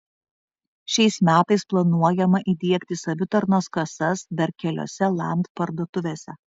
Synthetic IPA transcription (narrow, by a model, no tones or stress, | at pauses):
ʃʲɛɪsmʲæːt̪ɐɪsplˠɐnuɔjɛmɐʔid̪ʲiɛkʲt̪ʲɪsɐʋʲʊt̪ɐɾnoːskɐsɐsb̪ʲɐɾkʲɛlʲo̰ːsʲɛlˠɑ̰ˑmʲt̪pɐɾd̪uɔt̪ʊʋʲeːsʲɛ